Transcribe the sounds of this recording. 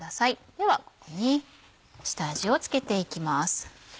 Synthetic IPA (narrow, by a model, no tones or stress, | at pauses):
d̪asaid̪̥e̞βako̞̥ko̞ɲ̟i | ɕɨ̥t̪aʑio̞t͡sɨ̥ke̞t̪e̞ikʲimasɨ̥